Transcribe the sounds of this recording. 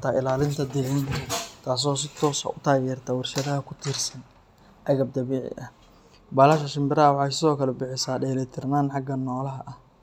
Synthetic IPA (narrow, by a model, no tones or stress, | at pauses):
t̪ʰaːʔɪlaːlɪnt̪ʰɐd̪ɪʕɪnt̪ʰaːs̬ɔːs̬ɪt̪ʰɔːsɐ̰ʊt̪ʰaːjɛːrt̪ʰawɑrʃɐðɐɦɐkʰʊt̪ʰiːrsɐn | ʕɐɣɐb̚d̪ɐβɛːʕɪ̰ʔɐh | baːlaːʃɐʃɪmbɪɾɐɐwɑħɑjsɪðɔːkʰɐlɛbɪħɪsaːɖɛːlɛjt̪ʰɪrnaːnħɑɡɐnɔːlɐɦɐʔɐh